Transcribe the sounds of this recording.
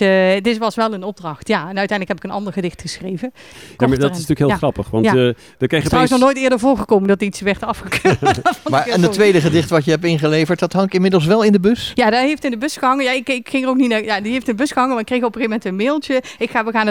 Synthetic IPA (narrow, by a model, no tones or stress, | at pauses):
ətɪsʋɑsʋɛlˠənɔb̚drɑxtjaɛnœɥtɛjndləkhɛbɪkənɑ̰ndəɹɣədɪxtxəsxrejvən | jamadɪsntyːkɦɪːlˠxrɑpəχʋɑn | dəketwɪs̬nɔχnoːjtɪːɹdəɹvoːɹɣəkowməndɔtitsʋɛɹtɑfxəkøːtmaːɹɛnətːʋejdəχədɪχtəʋɑtjəɦɛp̚tɪnχəlejvəɹt̚dɑtɦɑŋkɪmɪdəl̩ˠs̬ʋɛlˠɪndəbøsjaːdɔtɦejftɪndəbøsxəɦɑŋənjaɪkɪkxɪŋərowkninajadiɦejftɪndəbʏsxəɦɑŋənmaɪkrejxopəɣejmɛntənmeːlˠtəɪkxaːʋəɣaːn